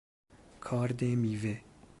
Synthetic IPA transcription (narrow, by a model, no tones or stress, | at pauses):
kʰɑːɾd̪eːmiːveː